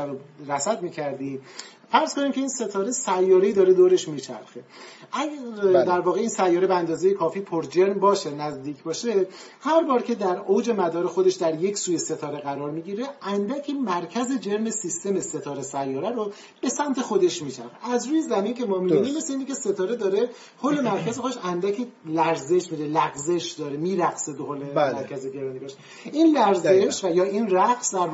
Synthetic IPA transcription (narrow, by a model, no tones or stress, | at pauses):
ɾoɾæsæd̪miːcʰæɾd̪iːm | fæɾz̥koniːmcʰe̞iːnse̞t̪ʰɒːɾe̞sæjːɒːɾeiːd̪ɒːɾe̞d̪oːɾe̞ʃmiːt͡ʃʰæ̰ɾxe̞ʔæɡæd̪æɾvɒːɣe̞iːnsæjːɒːɾebeænd̪ɒːze̞jekʰɒːfiːpʰoɾd͡ʒe̞ɾmbɒːʃenæzd̪iːcʰbɒːʃe | hæɾbɒːɾcʲʰe̞d̪æɾowd͡ʒe̞mæd̪ɒːɾe̞xo̞d̪e̞ʃd̪æɾje̞cʰsuːjese̞t̪ʰɒːɾe̞ɣæɾɒːɾmiːɟiːɾe̞ænd̪æcʰemæɾcʰæze̞d͡ʒe̞ɾme̞sist̪e̞mese̞t̪ʰɒːɾesæjːɒːɾæɾo | b̥e̞sæmt̪ʰe̞xod̪e̞ʃmiːt͡ʃʰæ̰ɾʁeæzɾuːjezæmiːncʲʰe̞mɒːmiinimːe̞sleiːnicʰʲe̞se̞t̪ʰɒːɾed̪ɒːɾe̞ | hole̞mæɾkʰʲæzexod̪eʃænd̪æcʰelæɾze̞ʃmid̪elæɣze̞ʃd̪ɒːɾemiːɾæɣsed̪ohole̞mæɾcʰæzeɟeɾɒːnibɒːʃ | iːnlæɾzeʃvæjɒːinræɣsd̪æɾ